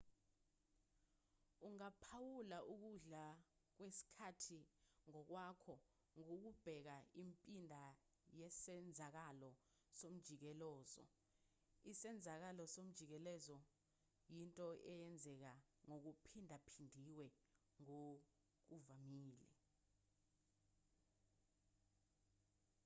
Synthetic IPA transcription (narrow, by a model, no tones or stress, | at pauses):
uŋapʰawulaʔuk̬uɮa | k̬wesi̥kʰatʰiŋɔk̬wakʰɔ | ŋok̬ub̥ʱɛk̬aimpʼindʱa | jɛsɛnd͡zʱak̬alɔ | som̩d̥ʒ̥ʱik̬ɛlɔːzɔ̰ | isɛnd͡zʱak̬alɔsom̩d̥ʒ̥ʱik̬ɛlɛzɔ | jintʼɔʔɛjɛnd͡zʱɛk̬aŋok̬upʰindʱapʰindʱiwɛ | ŋo | k̬uvamiːlḭ